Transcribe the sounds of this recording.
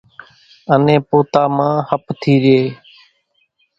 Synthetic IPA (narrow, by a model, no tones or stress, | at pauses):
ənẽːpoːt̪aːmãːhəpt̪ʰiːɾɪeː